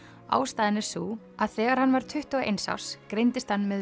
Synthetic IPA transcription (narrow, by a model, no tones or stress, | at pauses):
a̰ːwst̪aːðɪnːɪ̥suː | aðθɛːɣaɾ̥hanːvaɾ̥t̪ʰʏht̪uɣaʔḛjnsa̰wskɾejnt̪ɪst̪hanːmɛð